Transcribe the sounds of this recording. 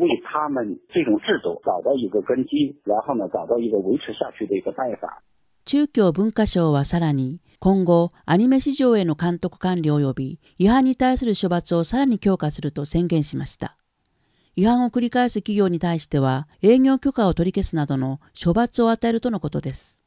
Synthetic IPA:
weɪt̪ʰamənʈ͡ʂɤʈ͡ʂʊŋʈ͡ʂɻ̩d̪ṵt͡sɑʊt̪ɑʊiɡəkənt͡ɕiɻanxonət͡sɑʊt̪ɑʊiɡəweɪʈ͡ʂʰɻ̩ɕjat͡ɕʰyd̪əiɡəpanfa̰ | t͡ɕɨːkʲo̞ːbɯ̟̃ŋkaɕo̞ːβasaɾaɲ̟i | kõ̞ŋɡo̞aɲ̟ime̞ɕiʑo̞ːe̞no̞kãnt̪o̞kɯ̟̥kãnɾʲio̞jo̞bʲi | iɦãɲ̟ːit̪aisɨɾɯ̟ɕo̞bat͡sɨo̞saɾaɲ̟ikʲo̞ːkasɨɾɯ̟t̪o̞sẽ̞ŋɡẽ̞ɰ̃ɕimaɕi̥t̪a | ihãɰ̃o̞kɯ̟ɾʲikaesɨkʲiɡʲo̞ːɲ̟it̪aiɕi̥t̪e̞β̞ae̞ːɲʲo̞ːkʲo̞kao̞t̪o̞ɾʲike̞sɨnad̪o̞no̞ɕo̞bat͡sɨo̞at̪ae̞ɾɯ̟t̪o̞no̞ko̞t̪o̞d̪e̞sɨ̥

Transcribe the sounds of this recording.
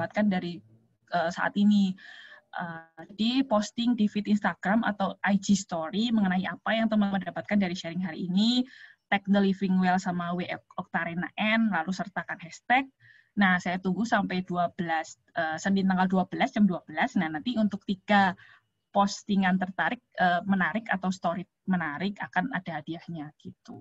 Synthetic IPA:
at̪̚kandaɾi | ʔəːsa̰ʔa̰t̪iniʔəːdipost̪ɪŋdifɪt̪inst̪aɡ̥ɾama̰t̪awʔajd͡ʒist̪oɾiməŋənaiapajaŋt̪əmanməndapat̪̚kandaɾiʃɛɾɪŋɦaɾiʔːnit̪ɛk̚dəlifiŋwɛlsamaweʔɛkɔk̚t̪aɾena̰ʔɛnlalusərt̪akanhɛst̪ɛk̚ | nahsajat̪uŋɡusampajduabəlas | ʔəːsəndint̪aŋɡalduabəlasd͡ʒamduabəlasnahnant̪iunt̪ʊk̚t̪iɡ̥a | post̪iŋant̪ərt̪aɾɪk̚əːmənaɾɪkat̪awst̪oɾɪt̪̚mənaɾɪkakanadaɦadiahɲaɡ̥it̪u

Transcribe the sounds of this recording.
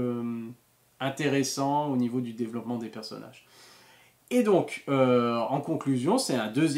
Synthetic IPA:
ɛ̃t̪eʁesɑ̃onivod̪yd̪evlɔpmɑ̃d̪epɛʁsɔ̰nʔa̰ʒ | ed̪ɔ̃køɑ̃kɔ̃klyzjɔ̃sɛɛ̃d̪øzj

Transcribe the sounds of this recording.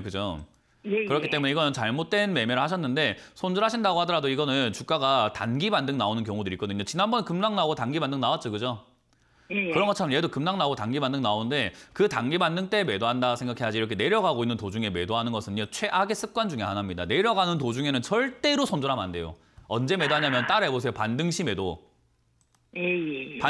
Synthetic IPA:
kɯd͡ʑo | kɯɾʌkʰi̥t͈e̞muɲe̞iɡʌnɯnt͡ɕaɭmot̚t͈we̞nme̞mjʌɾɯɭhaɕ̬ʰʌnːɯnde̞sʰonduɾɦaɕʰindaɡohadʌɾadoiɡʌnɯnt͡ɕuk͈aɡata̰nɡibandɯŋnaonɯnk̬jʌŋudɯɾik͈ʌdɯɲot͡ɕinanbʌnkɯmnaŋnaɡotanɡibandɯŋnawat̚t͡ɕ͈oɡɯd͡ʑo | kɯɾʌnŋɡʌt͡ɕʰamnjedokɯmnaŋnaɡotanɡibandɯŋnaonnde̞kɯtaŋɡibandɯŋt͈e̞me̞doɦandaɡsʰeŋɡakʰe̞ɦad͡ʑiiɾʌkʰene̞ɾjʌɡaɡoinːɯntod͡ʑuŋe̞me̞doɦanɯnɡʌsʰɯɲot͡ɕʰwe̞ʔaɡes͈ɯk̚k͈wand͡ʑuŋeɦanɦamɲida̰ne̞ɾjʌɡanɯnt̬od͡ʑuŋenɯnsʌɭt͈e̞ɾosʰondoɾɦama̰nde̞jo̰ | ʌnd͡ʑe̞me̞daɲamjʌnt͈aɾebos̬ʰe̞jopandɯŋɕʰime̞do | pa

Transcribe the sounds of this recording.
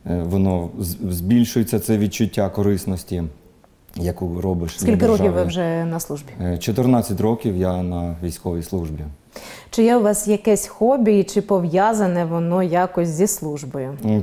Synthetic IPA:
ʋɔnɔzʲbʲilʲʃʊjet͡sʲːɐt̪sɛʋʲid̪̚t͡ʃʊtʲːakɔɾɪsnɔsʲtʲi | jɐkuɾɔbɪʃsʲkilʲkɪɾɔkiwʋɪwʒɛnɐslˠuʒbʲit͡ʃɔt̪ɪrnɑt͡sʲːɐtʲrɔkʲiwjanɐʋʲijsʲkɔʋʲijslˠuʒbʲi | t͡ʃɪjɛʊʋɑsjɐkɛsʲxɔbʲit͡ʃɪpɔʋjazɐnɛʋɔnɔjakɔsʲzʲislˠuʒbɔjʊ

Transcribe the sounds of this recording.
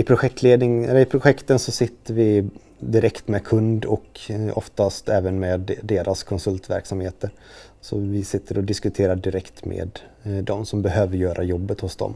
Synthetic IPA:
ɪpʰɾʊɧɛk̚t̪ʰleːd̪nɪŋɛlːəɾɪpʰɾʊɧɛkt̪ənsɔsɪt̪ːəɾvɪ | d̪ɪɾɛkt̪mɛkʰɵnd̪ɔkɔft̪ast̪ɛːvənmeːd̪ːeːɾʔaskʰɔnsɵlt̪væ̰ɾksamheːt̪əɾ | sɔvɪsɪt̪ːəɾɔd̪ɪskɵt̪ʰeːɾaɖɪɾɛkt̪mḛːd̪ | d̪ɔmsɔmbɛɦøːvəɾjœːɾʔajɔbːət̪hʊsd̪ɔ̰m

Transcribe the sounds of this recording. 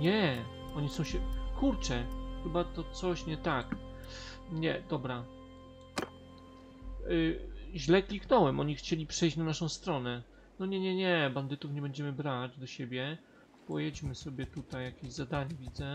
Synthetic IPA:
ɲɛ | ɔɲisɔ̃w̃ɕɛkuɾt͡ʂɛxɘbat̪ɔt̪sɔɕɲɛt̪ak | ɲɛd̪ɔbɾa | ʑlɛklʲiknɔwɛmʔɔɲixt͡ɕelʲipʂɛjɕt͡ɕnanaʂɔ̃w̃st̪ɾɔnɛ | nɔɲɛɲɛɲɛband̪ɘt̪ufɲɛbɛɲd͡ʑɛmɘbɾad͡ʑd̪ɔɕebʲjɛ | pɔjet͡ɕmɘsɔbʲjɛt̪ut̪ajːakʲeʑzad̪aɲɛvʲid̪zɛ

